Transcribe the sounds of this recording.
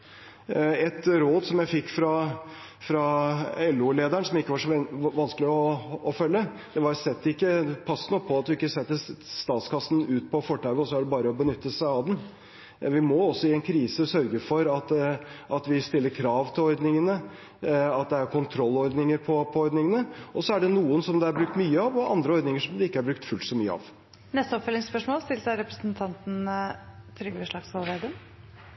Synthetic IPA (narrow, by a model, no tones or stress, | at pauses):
ɛt̪ɾoːd̪sɔmjæɪfɪkːfɾɑ | fɾɑɛlːuleːd̪æɳsɔmɪkːəʋɑʂɔɛʋɑnskəlɪɔɔfœlːə | d̪̥ɛʋɑɾsɛt̪ːɪkːəpʰɑsːənɔpʰɔɑt̪ʋɪɪkːəsɛt̪ːəst̪ɑːt̪skɑsːn̩ʉːt̪̚pʰɔfɔʈːæʋəɔsɔæɖɛbɑːɾəɔbənʏt̪ːəsæɪɑʋd̪ɛn | ʋɪmɔɔsːɔɪɛnkʰɾiːsəsœɾɡəfɔɾɑt̪ʔɑt̪ʋɪst̪ɪlːəɾkʰɾɑːʋt̪ʰɪlɔɾd̪nɪŋənə | ɑt̪̚d̪ɛæɾkʰʊnt̪ʰɾɔlːɔɾd̪nɪŋəɾpʰɔpʰɔɔɾd̪nɪŋənəɔsɔæɖɛnuːənsɔmd̪ɛæɾbɾʉk̚t̪myːəɑʋɔʔɑ̰nd̪ɾəɔɾd̪nɪŋəʂɔmd̪ɛɪkːəæɾbɾʉkt̪fʉlt̪sɔmyːəɑ̰ʋ | nɛst̪əɔpfœlɪŋspœʂmoːlst̪ɪlsæɪɾɛpɾəsənt̪ʰɑnt̪n̩ | t̪ʰɾʏɡʋəʂɭɑɡsɑlʋeːd̪əm